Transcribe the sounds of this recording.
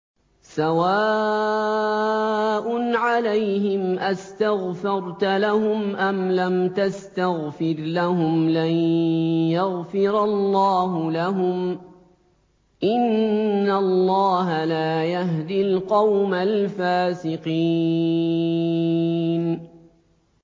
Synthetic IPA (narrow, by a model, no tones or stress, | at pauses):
sawaː | ʔʊnʕalajhɪmʔast̪aɣfɑɾˤt̪alahʊmʔamlamt̪ast̪aɣfɪɾlahʊmlanjaɣfɪɾɑlːɑːɦʊlaɦʊm | ʔɪnːallˤːɑːɦalaːjaɦd̪ɪlqɑwmalfaːsɪqiː | n